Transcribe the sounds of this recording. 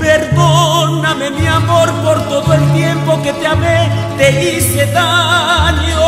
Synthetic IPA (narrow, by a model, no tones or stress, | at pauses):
peɾðonamemiamoɾpoɾt̪oðoelt̪je̞mpo̞ket̪eamet̪eiseðaljo